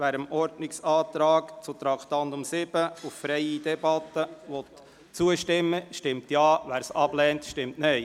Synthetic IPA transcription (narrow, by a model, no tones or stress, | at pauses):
ʋæːɾəmɔɾdnɪksɑːt̪ɾɑːkt͡sʊt̪ɾɑkt̪ɑntʊmsɪb̥əuffɾɛɪid̥ɛbɑt̪ːəʋɔt | t͡suəʃtɪmːəʃtɪmtjɑːʋæːɾsɑb̥lɛːntʃtɪmtnɛɪ